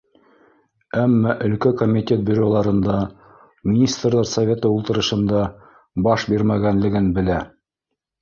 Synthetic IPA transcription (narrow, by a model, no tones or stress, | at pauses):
æmːæʔɵ̆lkækomʲit̪ʲe̞t̪̚bʲɵ̆ɾolˠɑɾɤ̆nd̪ɑ | mʲinʲist̪rlˠɑɾsɐvʲet̪ɤulˠt̪ɤ̆ɾɤ̆ʃɤ̆nd̪ɑ | bɑʃbiɾmæɡænlɘ̆ɡɘnbɘ̆læ